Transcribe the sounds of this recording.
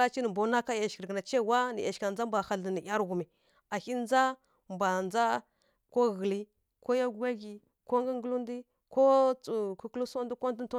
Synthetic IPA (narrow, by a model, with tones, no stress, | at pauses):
a˦t͡ʃi˦nə˨mbo˨˦na˦ka˦ja˨ʃkə˨ɾkə˨na˨t͡ʃe˦˨wa˦nḭ˨ʔa˨ʃka˨d͡za˦mbʷa˨xa˦ldə˨ni˨ʔʲa˦ɾɡu˨mi˨ | a˨hi˦n˦d͡za˦ | mbʷa˨nd͡za˦ | ko˦ɣə˨li˦ | ko˦ja˦ɡɡa˦ɡi˨ | ko˦ŋɡə˦ŋ˦ɡə˦lu˦ndi˦ | ko˦t͡su˨ku˦klu˦so˦ndi˦ko˦n˦tə˦n˦to˦